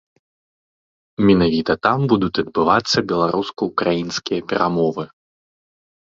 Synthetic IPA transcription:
mʲɛnavʲit̪ɐt̪ambud̪ut̪ʲɐd̪̚bɨvat̪sːɐbʲɛlˠaɾʔuskɐukɾajinskʲijɐpʲɛɾʔamɔvɨ

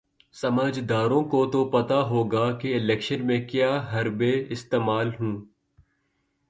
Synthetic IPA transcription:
sɐməd͡ʒd̪aːɾõkot̪opɐt̪aɦoːɡakiɪlɛːkʃənmẽkjaːɦɐɾbeɪst̪eːmaːlɦũː

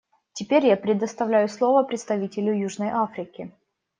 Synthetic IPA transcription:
tʲɪpʲeɾʲjapɾʲɪd̪əst̪ɐvlʲæjʊslˠo̞vəpɾʲɪt̪st̪ɐvʲitʲɪlʲʊjuʐnəjʔafɾʲɪkʲɪ

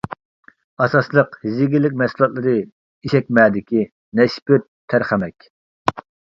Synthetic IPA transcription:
ɑsɑslˠəqhzɪɡʲilːɪk̬̚ʲmɛsulˠɑt̪lˠɨɾɨ | iʃɛk̚ʲmɛːd̪ɪkʲi | nɛʃpɪt̪ʰːæɾχæmɛkʲ

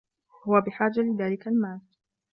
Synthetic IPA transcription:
hʊwabɪħaːd͡ʒalɪðaːlɪkalmaːl

